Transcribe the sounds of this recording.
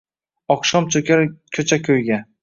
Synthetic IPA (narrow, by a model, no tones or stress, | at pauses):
ɒqʃɒmt͡ʃʰɵkʲaɾkʲʰɵt͡ʃʰakʲʰɵjɡʲa